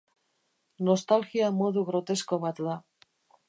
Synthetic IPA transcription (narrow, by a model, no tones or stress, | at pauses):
no̞st̪alxiamo̞ðuɣɾo̞t̪e̞sko̞βat̪ða